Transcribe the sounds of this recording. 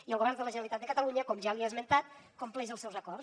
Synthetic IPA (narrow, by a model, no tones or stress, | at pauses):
iəlˠɣoβɛɾnd̪ələʒənalit̪at̪̚əkət̪aluɲəkɔmʒaːβiazmənt̪at̪̚komplɛʒəlˠsɛwzəkɔɾs